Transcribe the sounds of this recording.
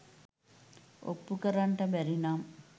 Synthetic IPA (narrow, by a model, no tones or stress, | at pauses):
o̰pːukəɾaɳʈəbɛɾinam